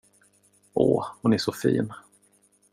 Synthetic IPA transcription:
ʔo̰ːhʊnɛʂɔfḭːn

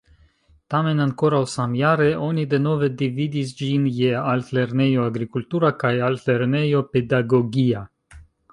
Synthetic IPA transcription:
t̪amenaŋkoɾawsamjaɾeʔonʲid̪enoved̪ivid̪isd͡ʒinjealt̪lernejoaɡɾikult̪uɾakajalt̪lernejoped̪aɡoɡʲija

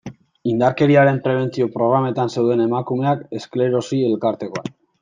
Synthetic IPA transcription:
ind̪aɾke̞ɾiaɾe̞mpɾe̞β̞e̞nt͡sio̞pɾo̞ɣ̞ɾame̞t̪anse̞wðe̞ne̞makume̞ake̞skle̞ɾo̞sie̞lkaɾt̪e̞ko̞a

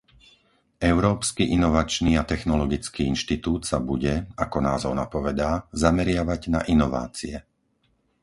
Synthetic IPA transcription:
ɛʊɾɔːpskiʔinɔʋat͡ʃniːat̪ɛxnɔlɔɡit͡skiːinʃt̪it̪uːt̪sabuɟɛakɔnaːzɔʊnapɔʋɛd̪aːzamɛɾɪaʋaɟna̰ʔinɔʋa̰ːt͡siɛ

